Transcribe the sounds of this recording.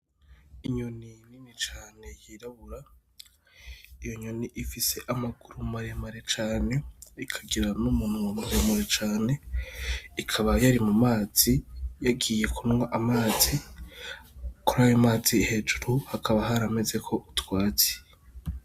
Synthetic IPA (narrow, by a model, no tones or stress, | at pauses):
iɲo̞nininit͡ʃaːne̞jiɾaβuɾa | ijo̞ɲo̞niʔifise̞ʔamaɡuɾumaɾe̞maɾe̞t͡ʃaːne̞ikʰaɡiɾanumun̥uwamuɾemuɾet͡ʃaːne̞ | ikʰaβajaɾimumaːz̥ijaɡiːje̞kʰunwaʔamaːzi | kuɾaːjomaːzihe̞ːd͡ʒuɾuhakʰaβaɦaɾame̞ze̞kʰo̞ʔutwaːt͡se̥